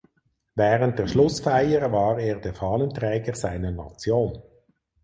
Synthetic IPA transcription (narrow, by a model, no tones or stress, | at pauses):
vɛːʁənt̚d̥eːɐʁʃlʊsfaɪəʁvɑːʁeːʁd̥ɛːfɑːləntʁɛːɡəʁsaɪnəʁnɑ̰t͡sjoːn